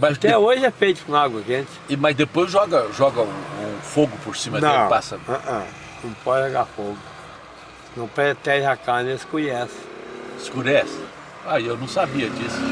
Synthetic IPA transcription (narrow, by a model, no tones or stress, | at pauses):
mɐzt̪ɛoʒɪɛfejt̪ʊ̥kũaɡwɐʒẽt͡ʃɪ̥mɐzd̪epojzʒɔɡɐʒɔɡɐũũfoɡʊpoɾsĩmɐd̪ɐ̃pasɐɐʔɐ̃ | nɐ̃w̃pɔd͡ʒɪʒoɡaɾfoɡʊ | nɐ̃w̃pɾet̪ɛʒɪakaneskuɲɛsɪ̥skuɾɛsɪ | aewnɐ̃w̃sabiɐd͡ʒisʊ̥